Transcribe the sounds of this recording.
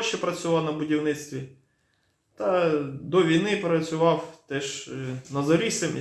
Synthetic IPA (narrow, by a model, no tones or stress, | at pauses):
ʃɛpɾɐt͡sʲʊʋɑwnɐbʊdʲiwnɪt͡sʲt̪ʋʲi | t̪ɐd̪ɔʋʲijnɪpɾɐt͡sʲʊʋɑwt̪ɛʃnɐzɐɾʲisɪm